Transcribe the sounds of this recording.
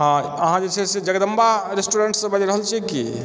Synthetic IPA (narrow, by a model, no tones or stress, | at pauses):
ɦã | əɦãd͡ʒet͡ʃʰɛsed͡ʒəɡəd̪əmbaɾesʈuɾeɳʈsəbad͡ʒeɾəɦəlt͡ʃʰɛki